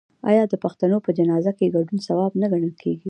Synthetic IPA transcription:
ɑ̰jɑd̪əpaxt̪anopəd͡ʒanɑzakeɡaɖunsawɑbnaɡaɳəlkʰeɡi

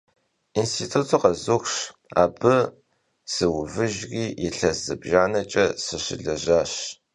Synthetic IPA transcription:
instʰiːtʰutʰuqɐzuxʷʂa̰ːbɨ | sɨwʊvɨʒriːjɪɬɐzɨbʒaːnɐt͡ʃʼɐsɨɕɪ̰ɮɐʑaːɕ

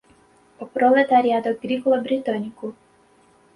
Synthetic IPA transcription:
pɔpɾɔlɛt̪aɾʲjad̪ɔɡɾikɔlˠɔbɾit̪ɔnʲiku

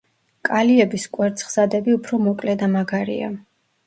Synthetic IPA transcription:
kʼaliɛbiskʼwɛɾt̪sʰʼχz̥ad̪ɛbiupʰɾɔmɔkʼlɛd̪amaɡaɾḭa̰

